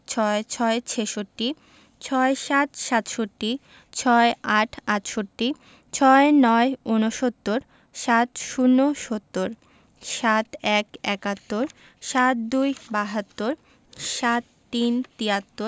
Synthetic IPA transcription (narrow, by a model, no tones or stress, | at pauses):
t͡ɕʰɔet͡ɕʰɔet͡ɕʰeʃoʈːi | t͡ɕʰɔeʃat̪ʃat̪ʃoʈːi | t͡ɕʰɔeaʈʰat̪ʃoʈːi | t͡ɕʰɔenɔeunoʃot̪ːoɾ | ʃat̪ʃunːoʃot̪ːoɾ | ʃat̪ɛkɛkat̪ːoɾ | ʃat̪̚d̪ujbaɦat̪ːoɾ | ʃat̪ːint̪iat̪ːo